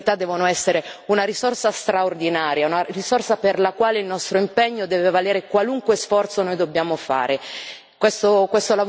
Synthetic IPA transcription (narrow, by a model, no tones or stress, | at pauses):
t̪ad̪ːɛːvonoɛsːeɾeunaɾisorsast̪ɾaord̪inaːɾjaunarisorsaperlakwaːleilnɔst̪ɾoimpɛɲːod̪ɛːvevaleːɾekwaluŋkwesfɔrt̪sonoːjd̪obːjaːmofa̰ːɾe | kwest̪okwest̪olav